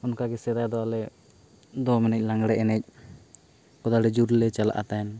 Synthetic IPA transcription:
ɔnkaɡɛsɛd̪ajd̪ɔalɛ | d̪ɔmɛnɛc̚ˀlaŋɡɽɛʔɛnɛc̚ | kɔd̪aɽɛd͡ʒuɾlɛt͡ʃalaʔa̰t̪aɦɛn

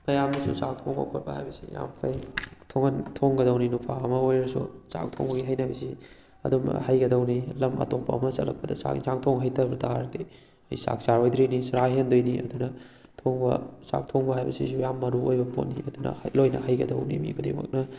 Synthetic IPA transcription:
pɐjamdɐsṵsaŋtʰoŋo̰kʰot̚bɐha̰jbɐsija̰mpʰɐjtʰoŋɐntʰoŋɡɐdɐwninupʰaɐmɐojɾɐsṵsa̰k̚tʰo̰ŋbɐɡiɦajnɐbɐsi | ɐ̰dumɐ̰hɐjɡɐdɐwnilɐmɐ̰topːɐ̰ɐ̰mɐsɐ̰tlɐ̰k̚pːɐdɐ̰sa̰ŋsaŋtʰoŋɦɐjtɐɾbɐtʰaɾdi | ɐ̰jsa̰k̚saɾojd̪ɾijnisɾaɦendojniʔɐ̰dunɐ | tʰoŋbɐ̰sa̰k̚tʰoŋbɐɦajbɐsisujamːɐɾuojbɐpo̰tnːḭɐdunɐ̰lojnɐ̰hɐjɡɐdɐwnḭmḭɡudḛmɐ̰k̚nɐ

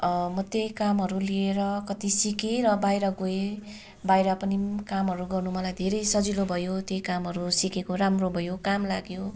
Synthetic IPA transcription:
ʌmʌt̪jejkamɦʌɾulieɾʌkʌt̪isikeɾʌbajɾʌɡoe | bajɾʌpʌnikamɦʌɾuɡʌrnumʌlajd̪ʱeɾʌjsʌd͡zilobʱʌjot̪jejkamɦʌɾusikekoɾamrobʱʌjokamlaɡjo

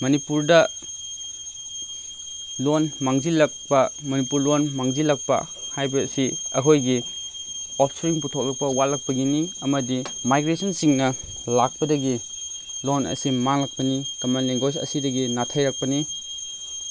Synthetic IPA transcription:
mɐnipuɾdɐ | lonmaŋzilɐk̚pɐmɐnipuɾlonmaŋzilɐk̚pɐ̰ | hajbɐsiɐ̰kʰojɡi | ɔpʰsɾiŋputʰok̚lɐk̚pɐwalɐk̚pɐɡiniɐmɐdimajɡɾesɐnsiŋnɐ | lak̚pɐdɐɡi | lonɐ̰simaŋlɐk̚pɐnikɐmanleŋɡosɐ̰sidɐɡinatʰɐjɾɐk̚pɐni

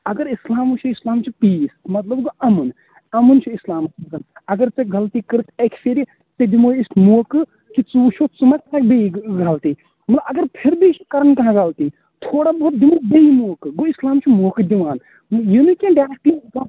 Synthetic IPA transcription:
ɐɡɐɾislaːmut͡ʃʰuislaːmt͡ʃʰupiːsmɐt̪lɐbɡoʔɐmun | ɐmunt͡ʃʰuislaːmskɐnɐɡɐɾt͡seɡɐlt̪ikɨɾɨt̪ʰekʰseɾi | t͡sed̪imoːismoːkɨ | kit͡suːt͡ʃʰot͡sumɐt̪ɐɾak̚beiɡɐlt̪iː | mɐt̪lɐbɐɡɐɾpʰiɾbit͡ʃʰi̥kɐɾənkɐɦãɡɐlt̪i | t̪ʰoːɽabɐɦːt̪̚d̪imoːbeimoːkɨɡoislaːmt͡ʃʰumoːkɨd̪iʋaːn | jinukʲẽːɖaːɾɐk̚ʈislaː

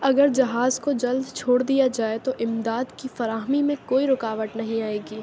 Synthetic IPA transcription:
ɐɡəɾd͡ʒɐɦaːzkod͡ʒɐld̪t͡ʃʰoːɽd̪ijad͡ʒaːet̪oʔɪmd̪aːd̪kifɐɾaːɦmimẽkoːiɾʊkaːʋət̪nɐɦĩaːeːɡiː

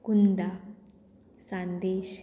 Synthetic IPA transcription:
kund̪a | sãnd̪eːɕ

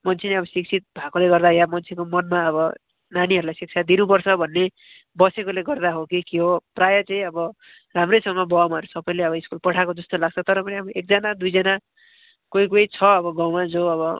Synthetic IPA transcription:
mʌnt͡sʰeneʌbʌsik̚t͡sʰit̪̚bʱakoleɡʌrd̪ajamʌnt͡sʰekomʌnmaʌbʌ | naniɦʌɾulajsik̚t͡sʰad̪inupʌrt͡sʰʌbʱʌnːe | bʌsekoleɡʌrd̪aɦokikiɦoprajʌt͡saĩʌbʌ | ramrejsʌŋɡʌbʌamaʌɾusʌpʌj̃leʌβʌiskulpʌʈʰakod͡zʌst̪olaɡ̚t͡sʰʌt̪ʌɾʌmʌneabʌek̚d͡zanad̪ujd͡zʌna | kojkojt͡sʰʌʌbʌɡawmad͡zoʌβʌ

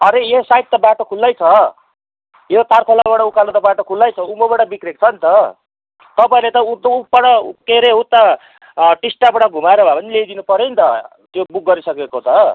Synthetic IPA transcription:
ʌɾejesajt̪̚t̪ʌbaʈokʰulːajt͡sʰʌ | jet̪arkʰolabaɽʌukalat̪ʌbaʈokʰulːajt͡sʰʌumobaɽʌbikrek̚t͡sʰʌnt̪ʌ | t̪ʌpaĩlet̪ʌut̪uppaɽʌkeɾeut̪ːa | ʈisʈapaɽʌɡʱumaɾʌbʱapʌnilejd̪inupʌɾont̪ʌ | t̪jobuk̚ɡʌɾisʌkekot͡sʰʌ

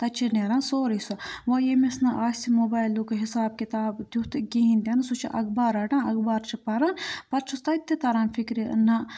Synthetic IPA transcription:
t̪ɐt͡ʃʰineɾãːnsoːɾisuʋɐjemesnɐʔaːsimoːbaːjlːukɦisaːb̚kit̪aːbd̪ʲjut̪ɡiɦind̪ʲɐnsut͡ʃʰḭʔɐ̰ɡbaːɾɐɖãːɐɡbaːɾt͡ʃʰipɐɾanpɐɾt͡ʃʰust̪ɐit̪ːet̪ɐɾaːnfikɾinɐ

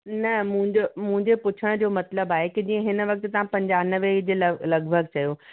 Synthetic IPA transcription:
nɐmʊ̃ɦɪ̃ɲd͡ʑomʊ̃ɦɪ̃ɲd͡ʑepʊt͡ɕʰəɽ̃d͡ʑoːmɐt̪ləbaːɦekid͡ʑĩːə̃ɦɪnə̆ʋɐk̚t̪t̪ɐʋ̤ãpɐ̃ɲd͡ʑaːnəʋeid͡ʑeːlɐlɐɡʱbʱəɡ̚t͡ɕɐjoː

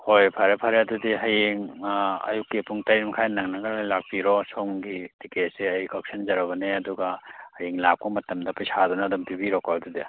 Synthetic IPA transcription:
hojpʰaɾepʰaɾadudiɦɐjeŋɐ̰jukːipuŋtajimkʰajnaŋnɐɡɐɾlajlak̚piɾɔsoŋɡitiket̚seɐjkɔk̚sɐnzɐɾɐβɐneɐduɡɐhɐjeŋlap̚kɔmɐtɐmdɐpɐjsadɔnɐdɐmpibiɾɔkɔɾdudi

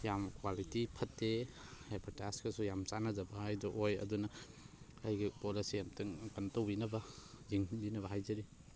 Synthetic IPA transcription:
jamkwalitipʰɐtːehepʰɐtaskesujamsanɐzɐbɐajdɔʔojɐ̰dunɐ | ajɡipolisijamtɯŋkɐntowbinɐbɐ | ziŋbinɐbɐɦajzɐɾi

